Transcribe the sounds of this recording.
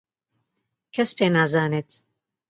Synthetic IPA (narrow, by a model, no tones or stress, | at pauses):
kʰɛspʰeːnaːzaːneːt̪ʰ